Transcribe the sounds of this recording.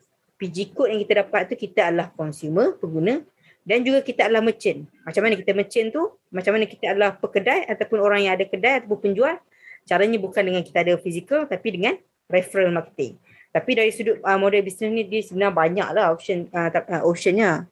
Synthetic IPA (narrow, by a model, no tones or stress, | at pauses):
pid͡ʒikʊʔ̪̚jaŋkit̪adapat̪̚ːukit̪aadəlahkɔnsuməpəŋɡunə | dand͡ʒuɡakit̪aadəlahmət͡ʃənmat͡ʃamanakit̪amət͡ʃənt̪u | mat͡ʃamanakit̪aadəlahpəkədajat̪awpʊnoɾaŋjaŋadakədajat̪ap̬ʊnpəɲd͡ʒuan | t͡ʃaɾaɲabukandəŋankit̪aadafisikəlt̪apidəŋan | rɛfɾəlmarkə̥t̪ɪ̰ŋ | t̪apidaɾisudʊt̪̚əmodɛlbisnɛsnĩdiəsəbənarbaɲa̰k̚lahoʃənəaʔopʃənɲa